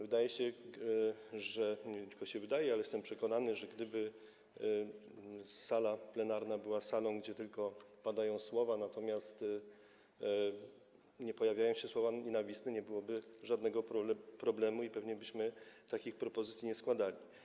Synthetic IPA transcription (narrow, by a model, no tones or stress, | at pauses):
vɘd̪ajɛɕɛ | ʐɛɲɲɛt̪ɘ̥lkɔɕɛvɘd̪ajɛalɛjɛst̪ɛmpʂɛkɔnanɘʐɛɡd̪ɘbɘ | salaplɛnaɾnabɘwasalɔ̃w̃ɡd͡ʑɛt̪ɘlkɔpad̪ajɔ̃w̃swɔvanat̪ɔmʲjast̪ | ɲɛpɔjavʲjajɔ̃w̃ɕɛswɔvaɲɛnavʲist̪ɛɲɛbɘwɔbɘʐad̪nɛɡɔpɾɔblɛmuipɛvɲɛbɘɕmɘt̪akʲixpɾɔpɔzɘt̪sʲiɲɛskwad̪alʲi